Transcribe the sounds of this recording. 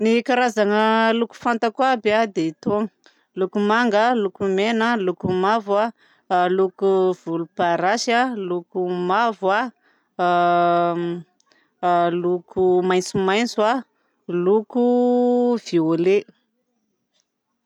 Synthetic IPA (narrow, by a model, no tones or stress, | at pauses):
nikaɾazaŋəluku̥fant̪akwabiad̪eit̪oŋə | lukumaŋɡalukumenəlukumavwa | lukuv̥ulupaɾaʃalukumavwa | lukʰumajnt͡sumajnt͡sua | luku | v̥iole